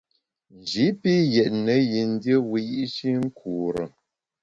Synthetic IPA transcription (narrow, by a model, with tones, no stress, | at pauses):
n˨d͡ʒi˨˦pi˦jɛ˨ʔnə˨˦ji˨n˦djə˦wi˨ji˦ʔt͡ʃi˦ŋ̩˦kʰu˨ɾə̰˨